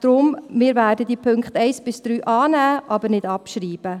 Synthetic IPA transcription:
d̥ɾʊmmɪːɾvæːdədiːpʰɵŋkχtɛɪsb̥ɪsd̥ɾyːʔɑːnæːʔɑbənɪdɑpʃɾiːb̥ə

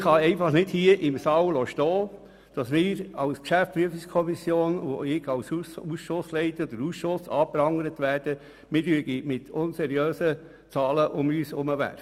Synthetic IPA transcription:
χɑɛɪfɑχnɪd̥hiəʔɪmsɑːwlɔːʃtɔː | d̥ɑsmɪːɾɑwskʃæftpɾyəfɪskʰɔmisjoːno̰ɪɡɑwsusʃʊslɛɪt̪əɔd̥̪əɾuːsʃʊsɑːpɾɑŋəɾət̪ʋæːɾd̥ə | mɪlyəɡimɪtʰʊnsɛɾiøːsə | t͡sɑːləʔʊmyːsʊməʋæ̰ɾ

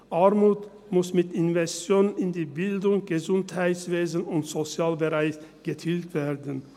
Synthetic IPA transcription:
ʔaʁmuːt | mʊsmɪtɪnvɛstjoːnənɪndiːbɪldʊŋɡ̥əzʊnthaɪtsv̥eːzənʊntz̥ot͡sjaːlbəʁaɪçɡ̥ətʰiːltv̥eːʁdən̩

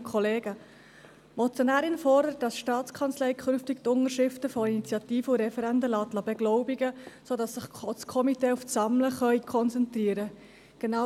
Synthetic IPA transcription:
kʰɔleːɡə | mɔt͡sjonæːɾɪnfɔrdəɾət̚dɑsʃtɑːt͡skʰɑnt͡slɛjkʰχʏnftɪktʊŋəɾʃɪftəfɔinit͡sjɑtiːfəuɾɛfɛɾɛndəlɑtlɑbɛɡlɔʊbiɡəsoːdɑsːɪχskʰɔmiteːufsɑmləχœʏkʰɔnt͡sɛntriːəɾə | ɡ̥enɑ

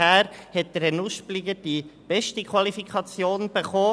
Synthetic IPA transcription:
æːɾhɛt̚d̥əɾɛnuʃpliɡəd̥ib̥ɛʃtikχʋɑlifikʰχɑt͡sjoːnb̥eχɔː

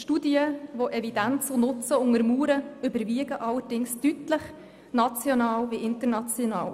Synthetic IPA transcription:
ʃtuːdiəvoʔɛvidænt͡sonʊt͡səʊŋəɾmuːɾəʏbəɾviəɡəʔɑlːəɾd̥ɪŋstytləχ | nɑt͡sjɔnɑːlviʔɪntəɾnɑt͡sjonɑ̰ːl

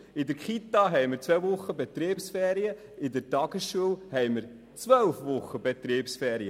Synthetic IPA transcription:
ɪd̪əɾkχit̪ɑɦɛjməɾt͡sʋɛvʊχːəbet̪ɾeːpsfɛːɾiə | ɪd̪əɾtɑɡ̥əsʃuəwhɛjməɾ | t͡sʋœlfʋʊχːəbet̪ɾeːpsfɛːɾiə

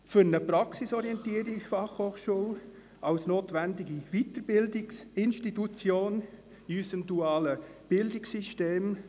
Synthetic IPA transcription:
fʏɾnəpɾɑksisɔɾiɛntiːəɾifɑχhoːχʃuːl | ɑʊsnoːt̪vændɪɡivitəɾb̥ɪldɪksɪnʃtitut͡sjoːn | iysəmduɑːləb̥ɪldɪksiʃteːm

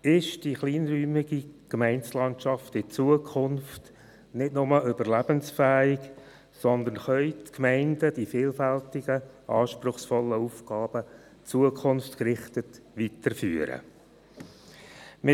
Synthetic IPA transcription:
ɪʃd̥iχliːnryːmɪɡikmɛɪnslɑntʃɑftɪt͡suəkʰʊnft | nɪtnʊməʔʏbəɾlæb̥ənsfæːɪɡ | sɔnd̪ənχœʏtkmæɪndəd̥ifɪːlfæltɪɡ̥ə | ʔɑːʃprʊχsfɔlːəuːfɡ̥ɑːb̥ə | t͡suəkʰʊnftkɾɪχtət | ʋitəɾfyːəɾə̰ | mɪ

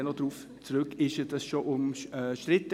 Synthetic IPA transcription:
nɔdɾuːf | t͡sɾʏkɪʃəd̥ɑsʃoʔʊmɛʃtɾɪt̪ə

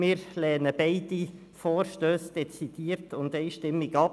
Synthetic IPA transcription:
mɪːɾlɛːnəbeɪdi | foːɾʃtøːsd̥ɛt͡sid̥iːɾtʰʊndeɪʃtɪmːɪɡɑp

